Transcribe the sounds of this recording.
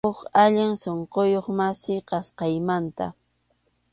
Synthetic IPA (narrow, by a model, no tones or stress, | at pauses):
ʊχaʎɪŋsoɴqojoχmasɪqɑsqɑjmant̪a̰